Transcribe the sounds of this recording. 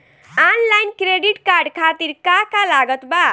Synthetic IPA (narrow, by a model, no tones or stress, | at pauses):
anlajnkɾeɖiʈkaɾɖkʰat̪iɾkakalaɡət̪ba